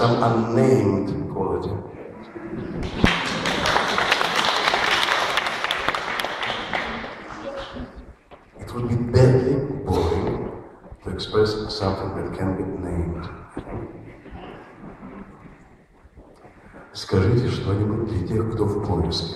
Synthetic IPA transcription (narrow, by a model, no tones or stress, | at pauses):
sãmɐ̃nːẽɪ̃md̥pʰɔlˠɪtɪ̰ | ɪtwʊd̚bibɛdlibɔɹɪ̃ŋ | tʰuɛkspɹɛssʌ̃mθɪ̃ŋðɨt̚kʰɛ̃nbinẽɪ̃md̥ | skɐʐɨtʲɪʂt̪onʲibut̚ʲd̪lʲɐtʲexkt̪ofpʰɔlɪs